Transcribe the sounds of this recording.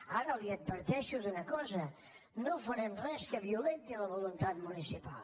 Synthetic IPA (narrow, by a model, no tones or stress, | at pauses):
aɾəliəd̪̚bəɾt̪ɛʃuðunəkɔzə | nofəɾɛmrɛskəβiulent̪iləβulunt̪at̪̚munisipa̰lˠ